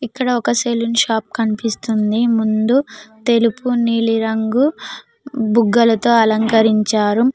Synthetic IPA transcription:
ikːɐɽɐɔkɐselunʃaːp̚kɐnipist̪und̪imund̪ut̪e̞lupuniːliɾɐŋɡu | buɡːɐlɐt̪o̞ːɐlɐŋkɐɾiɲt͡ʃaːɾu

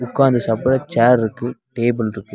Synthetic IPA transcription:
ʊkːaːnd̪ɯsɐpːɐɽɐt͡ʃaːɾɪɾɯkːɯʈeːbɯlɪɾɯkːɯ

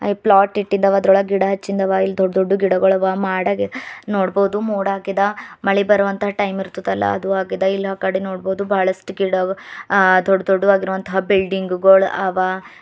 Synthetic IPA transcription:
plaːʈːiʈːind̪ɐʋɐːd̪ɾoɭɐɡiɽɐɦɐt͡ʃːind̪ɐʋailːd̪oɖːd̪oɖːuɡiɽɐɡɐɭɐʋamaːɽɐɡenoːɽboːd̪umoːɽaːkid̪ɐmɐɭɛbɐɾɐʋɐnt̪ɐɦɐʈɐjmiɾt̪ud̪ɐlːɐ̰ɐ̰d̪uaːkid̪ɐilːɦaːkaːɽenoːɽboːd̪ubaːɭɐsʈuɡiɽɐ | d̪ɔɖːd̪oɖːuʋaːɡiɾuʋɐnt̪ɐɦabilɖiŋɡɡoɭaːʋa

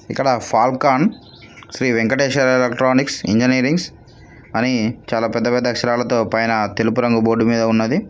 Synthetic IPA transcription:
ikːɐɽɐpʰaːlkaːn | sɾiːʋeŋkɐʈeːʂaɾelekʈɾaːniksḭɲd͡ʒiniːɾiŋɡs | ɐnit͡ʃaːlaːpɛd̪ːɐpɛd̪ːɐkʂɐɾaːlɐt̪o̞ːpɐjnɐt̪e̞lupuɾɐŋɡuboːɖumiːd̪ɐunːɐd̪i

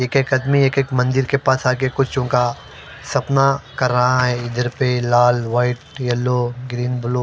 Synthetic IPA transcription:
eːkeːkɐd̪mieːkeːkmɐ̃nd̪ɪɾkepaːsaːkekʊt͡ʃʰt͡ʃõːka | sɐpnakɐɾːɐɦaɦɛɪd̪əɾpelaːlʋaːɪʈjɐlːoːɡɾiːnbʊloː

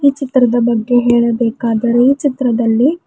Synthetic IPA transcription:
iːt͡ʃit̪ɾɐd̪ɐbɐɡːe̞ɦeːɭɐbɛːkaːd̪ɐɾe̞iːt͡ʃit̪ɾɐd̪ɐlːi

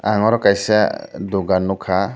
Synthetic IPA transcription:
aŋɔɾɔkajsad̪uɡanːukʰa

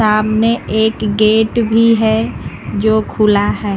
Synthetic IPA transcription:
aːmneeːkɡeːʈbʱiɦɛ | d͡ʒoːkʰulaɦɛː

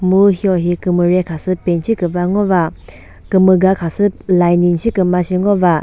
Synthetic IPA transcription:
muhiɔɦikɯmɯɾekʰasɯpent͡ʃʰikɯbaŋɔba | kɯmɯɡakʰasɯlajninsʰikɯmasiŋɔba

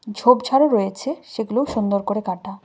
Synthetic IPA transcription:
d͡ʑʱobd͡ʑʱaɾeɾojet͡ɕʰeʃeɡuleoʃund̪oɾkoɾekaʈa

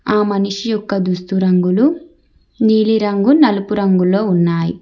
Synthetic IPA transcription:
aːmɐnuʂijɔkːɐd̪ust̪uɾɐŋɡulu | niːliɾɐŋɡunɐlupuɾɐŋɡulo̞ːunːaːjḭ

